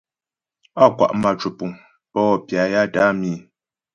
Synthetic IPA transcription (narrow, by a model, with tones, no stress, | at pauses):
a˦˨kwa̰˨ʔma˨t͡ʃu˨pu˨ŋ | pɔː˦˨pja˨ja˦ta˦miː˦˨